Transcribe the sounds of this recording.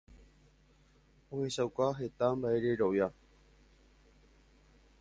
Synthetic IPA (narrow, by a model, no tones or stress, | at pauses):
ohesawkʷaɦe̞t̪ambaeɾeɾoja